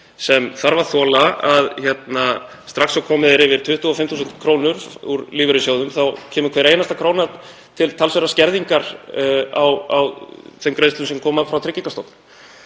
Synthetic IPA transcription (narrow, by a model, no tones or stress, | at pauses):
sɛmθaɾvaɾθɔːlaaðçɛt̪na | st̪ɾaksɔkʰɔːmɪðɪɾɪvɪɾ̥t̪ʰʏht̪ʏɔfɪmtθuːs̬nt̪kʰɾoːwnʏɾ̥uɾliːvʏɾʏsjowðʏmθawcʰɛːmʏkʰvɛːɾeːjnast̪akʰɾoːwna | t̪ʰɪlt̪ʰalsœɾascɛɾðiŋkaɾ | awa̰wθɛmkɾeðst̪ʏmsɛmkʰɔːmafɾawt̪ʰɪcːiŋkast̪ɔwp̪n